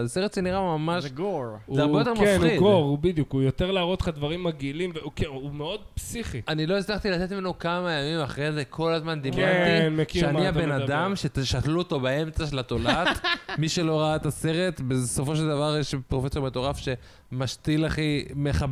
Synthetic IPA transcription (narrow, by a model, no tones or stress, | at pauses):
seʁet̪zeniʁamamaʃɡozeaʁbejo̞t̪ekmaiɡoʁubid̪jukujot̪eʁlaʁot̪χad̪vaʁimaɡilimveukeumeo̞d̪̚psiχianilo̞islaχt̪ilat̪etmenokamajamimaχʁeze̞kʰo̞lazmand̪ikmainmekiʃeaniabenad̪amʃe̞t̪eʃatluot̪o̞bae̞mt͡saʃelat̪o̞latmiʃelo̞ʁaat̪ase̞ʁe̞t̪beso̞fo̞ʃe̞ld̪avaʁjeʃpʁofe̞so̞ʁmet̪o̞ʁafʃe̞ | maʃt̪ilaχime̞χab